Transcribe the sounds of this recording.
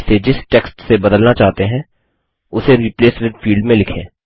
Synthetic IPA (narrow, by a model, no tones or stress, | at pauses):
sed͡ʒɪsʈɛːksʈsebɐd̪əlnat͡ʃaːɦt̪eɦɛ̃ | ʊseɾiːpleːsʋɪɖ̪fiːɭɖmẽlɪkʰḛ̃ː